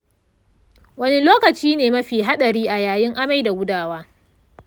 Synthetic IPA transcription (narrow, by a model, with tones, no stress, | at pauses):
wɐ˦ni˦loː˦kɐ˨t͡ʃiː˦neː˨mɐ˦ɸiː˨ɦa˦ɗɐ˨ɾiː˦ʔa˨jaː˨jɪ˦ŋʔa˦ma˦jda˨ɡʷʊ˦daː˦˨waː˦